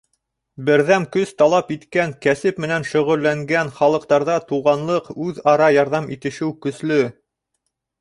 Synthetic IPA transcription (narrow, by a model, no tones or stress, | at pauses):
bɘ̆ɾðæmkɵst̪ɑlˠɑpit̪kæŋkæsɘpmɘ̆nænʃɵ̆ʁɵ̆lːæŋɡænχɑlˠɤ̆qt̪ɑɾðɑt̪uʁɑnlˠɤqʉðɑɾɑjɑɾðɑmit̪ɘ̆ʃɘwkɵ̆slɵ